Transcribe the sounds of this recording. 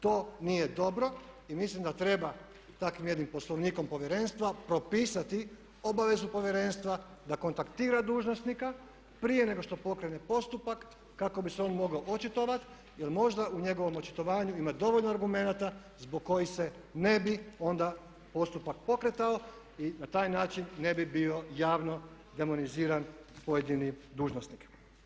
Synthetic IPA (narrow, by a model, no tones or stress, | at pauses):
t̪o̞ːnije̞d̪o̞bɾo̞imislimd̪at̪ɾe̞ba | t̪akʋimje̞d̪nimpo̞slˠoʋniːko̞mpo̞ʋje̞ɾe̞nst̪ʋapɾo̞piːsat̪i | o̞baʋe̞zupo̞ʋje̞ɾe̞nst̪ʋad̪ako̞nt̪akt̪iːɾad̪uːʒnosnika | pɾije̞ne̞ɡo̞ʃt̪o̞po̞kɾe̞ne̞po̞st̪upakː | akobiseo̞nmo̞ɡaoʔot͡ʃit̪o̞ʋat̪ | jelmo̞ʒd̪auɲe̞ɡo̞ʋo̞mot͡ʃi̥t̪o̞ʋaːɲuimad̪o̞ʋoʎnoaɾɡume̞nat̪a | zboɡkːo̞jixse̞ | ne̞bio̞nd̪a | po̞st̪upak̚po̞kɾet̪ao | inat̪aːjnaːt͡ʃinːe̞bibio̞jaːʋno̞ | d̪e̞mo̞niziːɾanpojed̪inid̪uːʒnosnik